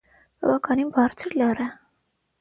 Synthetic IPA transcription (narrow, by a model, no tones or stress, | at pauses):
b̥ɑ̰vɑkʰɑninbɑɾt͡sʰəɾlɑrɛ